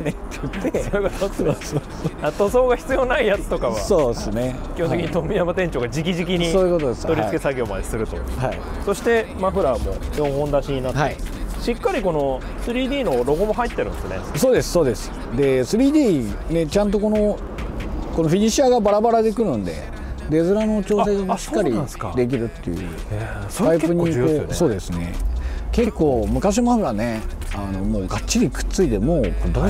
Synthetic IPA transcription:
net̪ːejɯt̪ːekotsososoat̪o̞so̞ːɡaçi̥t͡sɨjo̞naijat͡sɨ̥t̪o̞kaββasoːsɨne̞kʲihõt̪ekiɲit̪omʲijamat̪ẽ̞ɲt͡ɕo̞ːɡad͡ʑik̬ʲiʑik̬ʲiɲioːjɯ̟kot̪o̞d̪e̞sɨ̥t̪oɾiaɨɨkesaɡʲoːmad̪esɨɾɯ̟t̪o̞̰ha̰ḭ | so̞ɕi̥t̪e̞maɸɯ̟ɾamo̞̰kʲõ̞ːɦõ̞nd̪aɕiɲinat̪haeḭɕikːaɾʲiko̞no̞ | sɨɾʲiːd̪ʲiːno̞ɾo̞ɡo̞moɦait̪ːeɾɯ̟̃nd̪esɨneso̞ːd̪e̞sɨ̥so̞ːd̪e̞sɨ̥ | d̪e̞sɨɾʲiːd̪ʲiːne̞t͡ɕãnt̪̬o̞ko̞no̞ | ko̞no̞ɸʲiɲ̟iɕiaɡabaɾabaɾad̪ekʲɯɾɯ̟̃nd̪e̞̰ | d̪e̞zɨɾano̞t͡ɕo̞ːseɡamɕi̥kːaɾʲĩskad̪e̞k̬ʲiɾɯ̟t̪ːe̞̰jɯ̟̰ | aipɯ̟ɲ̟ikoso̞ːd̪e̞sɨne̞̰ke̞kːo̞ːmɯ̟kaɕ̬imasɯɾane̞ | ano̞mo̞ːɡat͡ɕːiɾʲikɯ̥t͡sɨid̪e̞moːkod̪o

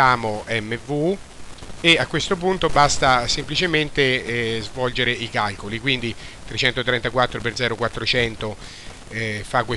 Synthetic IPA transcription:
aːmoɛmːevu | eakːwest̪op̬unt̪obast̪asemplit͡ʃement̪ezvɔld͡ʒeɾeikalkolikwind̪it̪ɾet͡ʃːɛnt̪ot̪ɾɛnt̪akwat̪ːɾoperd̪zɛːɾokwat̪ːɾot͡ʃɛnt̪o | fakːwe

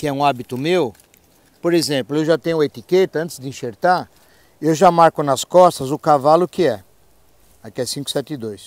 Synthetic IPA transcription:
kɪɛũabit̪ʊmew | poɾezẽplʊewʒat̪ẽɲʊɐet̪iket̪ɐɐ̃t̪ɪzd̪ɪĩʃeɾt̪aɾ | ewʒamaɾkʊnɐskɔst̪ɐzʊkavalʊkɪɛ | akiɛsĩkʊ̥sɛt̪ɪɪd̪ojs

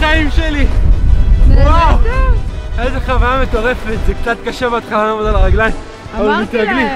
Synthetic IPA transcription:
χaimʃeli | waw | ezeχavajame̞t̪o̞ʁe̞fet̪zekt͡sat̪̚kaʃebeat̪χalamod̪alaʁaɡlaim | avalmit̪ʁaɡli

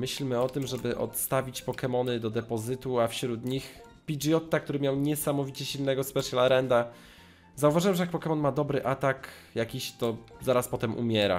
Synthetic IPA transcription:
mɘɕlmɘɔt̪ɘmʐɛbɘʔɔ̰t̪st̪avʲit͡ɕpɔkɛmɔnɘd̪ɔd̪ɛpɔzɘt̪uafɕɾud̪ɲix | pʲid͡ʐjɔt̪ːakt̪uɾɘmʲjawɲɛsamɔvʲit͡ɕɛɕilnɛɡɔspɛʂjalaɾɛnd̪a | zauvaʐɨwɛmʐɛjak̚pɔkɛmɔnmad̪ɔbɾɘʔat̪ak | jakʲiɕt̪ɔzaɾaspɔt̪ɛmʔṵmʲjɛɾa̰

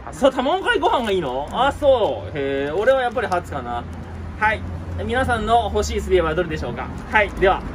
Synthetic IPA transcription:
soːt̪amoŋkaiɡo̞hãŋɡaiːno̞asoː | eːo̞ɾe̞βajapːaɾʲiɦat͡sɨ̥kana | haimʲinas̬ãnːo̞ho̞ɕiːsɨbʲieβad̪oɾɯ̟d̪e̞ɕo̞ːka̰ | haid̪e̞βa̰

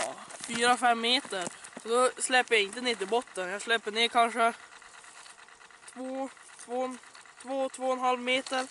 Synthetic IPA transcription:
fyːɾafɛmːeːt̪əɾɔd̪ɔslɛpːəɾjaɪnt̪əneːt̪ɪlbɔt̪ːənjɑːslɛpːəɳeːɾkʰanʂə | t̪ʰvoːt̪ʰvoːnt̪ʰvoːt̪ʰvoːɛnɦalvmeːt̪əɾ

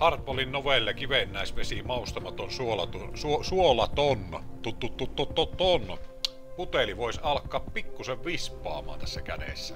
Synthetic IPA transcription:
hɑrp̪ʋɑlinnoʋelːɑkiʋenːæˑesʋesimɑˑust̪ɑmɑt̪onsuolɑt̪usuosuolɑt̪ont̪ut̪ːut̪ːut̪ːut̪ːot̪on | put̪eliʋoˑesʲɑlkːˑɑːppikːuseʋʋispˑɑ̰ːmˑɑ̰ːnt̪æsːækæ̰dḛsːæ

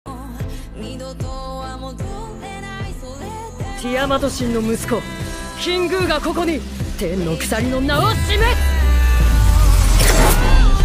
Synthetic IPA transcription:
t̪ʰʲijamat̪o̞ɕĩnːo̞mɯ̟sɨ̥ko̞ | kʲĩŋɡɯ̟ːɡako̞ko̞ɲ̟i | t̪ẽnːokɯ̟̥saɾʲino̞naoɕime

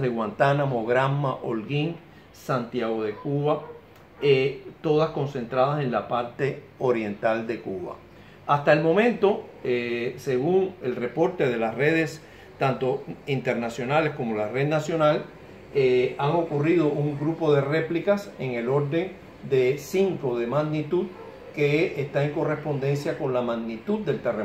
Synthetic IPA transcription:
ðeɣwant̪anamo̞ɣɾamaʔolɡiŋ | sant̪jaɣo̞ðe̞kuβa | et̪o̞ðasko̞nsẽ̞nt̪ɾaðase̞ŋlapaɾt̪e̞ | oɾjẽ̞nt̪ald̪ekuβa̰ | ast̪ae̞lmõ̞mẽ̞nt̪o̞ese̞ɣuŋe̞lre̞po̞ɾt̪e̞ðe̞lasre̞ð̞e̞s | t̪ant̪o̞int̪e̞ɾnasjo̞nale̞sko̞mo̞lare̞ðnasjo̞nal | aŋo̞kurið̞o̞ʔuŋɡɾupo̞ðe̞re̞plikase̞ŋe̞lo̞ɾðe̞ŋ | d̪e̞siŋkoð̞e̞maɣnit̪uð | ke̞ːst̪ae̞ŋko̞re̞spõ̞nd̪e̞nsjako̞ŋlamaɡnit̪ud̪̚d̪e̞lt̪ere

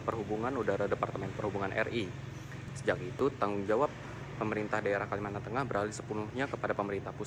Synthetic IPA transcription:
pərɦubuŋanudaɾadepart̪əmɛnpərhubuŋanʔɛ̰ri | səd͡ʒakit̪ut̪aŋuŋd͡ʒawapː | əməɾint̪ahdaeɾahkalimanat̪əŋahbəɾalisə̥punuhɲakəpadapəməɾint̪ahpu

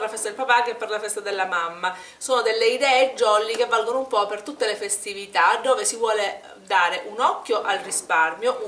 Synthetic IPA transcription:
lafɛst̪ad̪elpapakepːerlafɛst̪ad̪elːamamːa | soːnod̪elːeid̪ɛːed͡ʒːɔlːik̟evːalɡonoumpɔpːert̪ut̪ːelefest̪ivit̪ad̪ːoːvesivwɔːle | d̪aːɾeʔunɔkːjoʔalrisparmjou

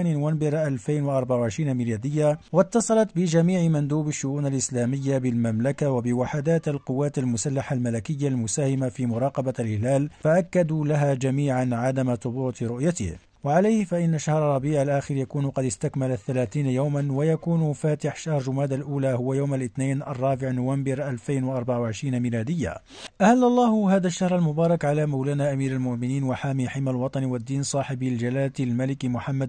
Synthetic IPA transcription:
ninwanbɪɾʔalfajnwaʔɑɾˤbaʕwʕɪʃɾiːnamiljaːd̪ɪjːawɑt̪ːɑsˤɑlɑt̪bɪd͡ʒamiːʕɪmand̪uːbaʃːʊʔuːnalʔɪslaːmɪjːabɪlmamlakawabɪwaħad̪aːt̪alqʊwːaːt̪almʊsalːaħalmalakɪjːalmʊsaːhɪmafimʊɾˤɑːqɑbalhɪlaːlfaʔakːad̪ulaɦaːd͡ʒamiːʕanʕad̪amat̪ˤʊbuːt̪ˤɾʊʔjat̪ɪ̰h | waʕalajhfaʔɪnːaʃahɾˤɑrˤːɑbiːʕalʔaːxɪɾjakuːnqɑd̪ɪst̪akmalaθːalaːθiːnjawmanwajakuːnfaːt̪ɪħʃahɾˤd͡ʒʊmaːd̪alʔuːlaːhʊwajawmalʔɪt̪naːnʔɑ̰rˤːɑːbɪʕnʊwambɪɾʔalfajnwʔɑɾˤbaʕawʕɪʃɾiːnamiːlaːd̪ɪjːa̰ | ʔahalːɑlˤːɑːhhaːðaʃːahɾalmʊbɑːɾˤɑkʕalaːmawlaːnaːʔamiːɾalmʊʔmɪniːnwaħaːmiːħɪmːalwɑt̪ˤɑniwad̪ːiːnsˤɑːħɪbald͡ʒalaːt̪almalɪkimʊħamːad̪

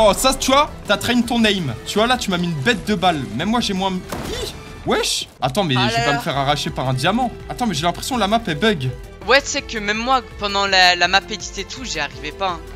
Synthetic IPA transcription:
ɔsat̪yvat̪yat̪χɛɲt̪ɔ̃nɛjmt̪yvwalat̪ymamiynbɛt̪̚d̪əbalmɛmːwaʒemwɛ̃i | wɛʃat̪ɑ̃mɛʒəvãmfɛʁaʁaʃepaʁɛ̃d̪jamɑ̃ | at̪ɑ̃mɛʒelɛ̃pχe̥sjɔ̃lamapɛbœɡ | wɛsɛkəmɛmːwapɑ̃d̪ɑ̃lalamaped̪it̪et̪uʒiaʁivepaɛ̃

